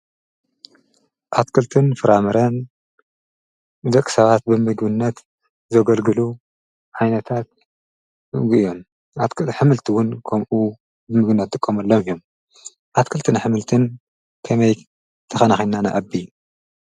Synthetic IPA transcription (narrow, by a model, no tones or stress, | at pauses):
ʔat̪kʰɨlt̪ʰɨnfɨɾamɐɾɐn | d̪ɐkʼːɨ̥sɐβat̪̚bɨmɨɡbɨnːɐt̪ | zɐɡɐlɡɨlu | ʕajnɐt̪ʰat̪̚ | ɨɡɨjo̞m | at̪kɨħɨmɨlt̪ʰiwʊnkʰɐmʔu | bɨmɨɡɨnːɐt̪̚t̪ʼɨkʼːɐmɐlːomijom | ʔat̪kʰɨlt̪ʰɨnħɨmɨlt̪ʰɨn | kʰɐmɐj | t̪ʰɐxɐnaxinanaʔabːi